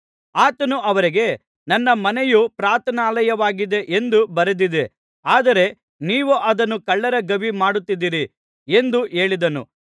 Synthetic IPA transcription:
aːt̪ɐnuʔɐʋɐɾiɡe̞ | nɐnːɐmɐnejupɾaːt̪ʰɐnaːlɐjɐʋaːɡid̪e̞ʔend̪ubɐɾed̪id̪e̞ | aːd̪ɐɾe̞ | niːʋuʔɐd̪ɐnːukɐɭːɐɾɐɡɐbimaːɽut̪ːid̪iːɾi | e̞nd̪uʔe̞ːɭid̪ɐnṵ

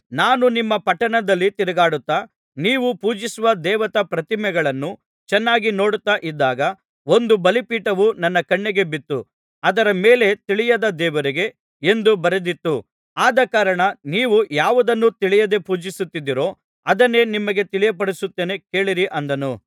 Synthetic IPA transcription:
naːnunimːɐpɐʈːɐɳɐd̪ɐlːit̪iɾɛɡaːɽut̪ːa | niːʋupuːd͡ʒisuʋɐd̪ɛːʋɐt̪ɐpɾɐt̪imɛɡɐɭɐnːu | t͡ʃɛnːaːɡino̞ːɽut̪ːaʔid̪ːaːɡɐ | o̞nd̪ubɐlipiːʈɐʋunɐnːɐkɐɳːɛɡe̞bit̪ːu | ɐd̪ɐɾɐmeːle̞t̪iɭijɐd̪ɐd̪ɛːʋɐɾiɡe̞ | end̪ubɐɾed̪it̪ːu | aːd̪ɐkaːɾɐɳɐniːʋujaːʋud̪ɐnːut̪iɭijɐd̪e̞puːd͡ʒisut̪ːid̪ːiɾo̞ː | ɐd̪ɐnːe̞ːnimːɐɡe̞t̪iɭijɐpɐɽisut̪ːeːne̞ke̞ːɭiɾiʔɐnd̪ɐnu

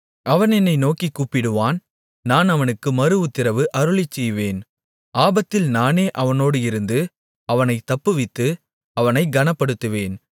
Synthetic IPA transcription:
ɐʋɐnɛnːɐɪnoːkikːuːpːɪɽɯʋaːn | naːnɐʋɐnɯkːɯmɐɾɯʋɯt̪ːɪɾɐʋɯʔɐɾɯɭɪt͡ʃːɛjʋeːn | ʔaːbɐt̪ːɪlnaːneːʔɐʋɐnoːɽɯɪɾɯnd̪ɯ | ɐʋɐnɐɪt̪ːɐpːɯʋɪt̪ːɯ | ɐʋɐnɐɪɡɐnɐpːɐɽɯt̪ːɯʋeːn

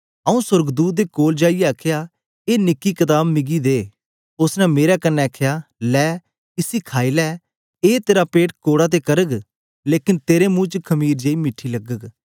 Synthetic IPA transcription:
əũsʊɾɡd̪uːt̪̚d̪eːkoːld͡ʒaːijɛəkʰja | eːnɪkːikət̪aːbmɪɡid̪eː | ʊsnɛmeːɾakənːɛkʰjaːlɛː | ɪsikʰaːilɛː | eːt̪eːɾapeːʈkoːɽat̪̬ekɐɾəɡ | leːkɪnt̪eːɾemũːt͡ʃəkʰɐmiːɾd͡ʒeːimɪʈʰːilɐɡəɡ

